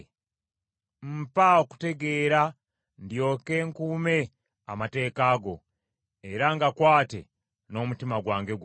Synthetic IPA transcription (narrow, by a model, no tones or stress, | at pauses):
m̩paoku̥te̞ɡe̞ːɾa | ndjo̞ːke̞ŋkuːme̞ | a̰mate̞ːkaːɡo̞ | e̞ɾaŋɡakwaːte̞̰ | no̞mutimaɡwaːŋɡe̞ɡ